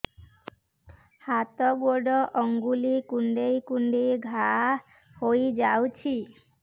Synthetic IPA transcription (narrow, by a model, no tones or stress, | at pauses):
hat̪ɔboɖɔʔɔŋɡulikuɳɖejkuɳɖeɡʱa | hojd͡ʒawt͡ʃʰi